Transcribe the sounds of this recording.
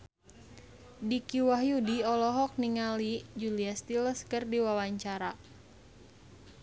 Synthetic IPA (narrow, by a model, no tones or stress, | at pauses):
dikiwaɦjudiɔlɔɦɔk̚niŋalid͡ʒuliast̪iləskɨrdiwawaɲt͡ʃaɾa